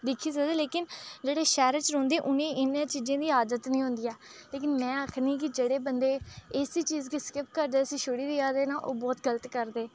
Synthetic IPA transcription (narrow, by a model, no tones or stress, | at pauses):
d̪ɪkʰːiːsəd̪eːleːkɪnd͡ʒeːɽeːʃɛːɾət͡ʃɾõːnd̪eːʔʊnẽːʔɪnẽːt͡ʃiːd͡ʒẽːd̪iːɦaːd̪ət̪nĩːɦʊ̃nd̪iːɛːleːk̬ɪnmɛ̃ːəkʰnĩːk̬ɪd͡ʒeːɽeːbənd̪eːɪːsiːt͡ʃiːzkiskɪpkəɾd̪eːəsiːʃoɽiːd̪iːaːd̪eːnaːʔoːbɔːt̪ɡələt̪kəɾd̪eː